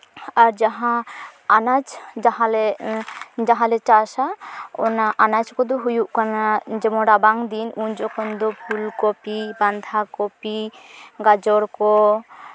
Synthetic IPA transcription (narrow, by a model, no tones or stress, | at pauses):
aɾd͡ʒaɦãanad͡ʒd͡ʒaɦale | d͡ʒaɦalet͡ʃaʃao̰naʔanat͡ʃkɔd̪uɦujuʔkanad͡ʒɛmɔɾabaŋd̪inund͡ʒɔkʰɔnd̪opʰulkopiband̪ʱakopiɡad͡ʒɔɾko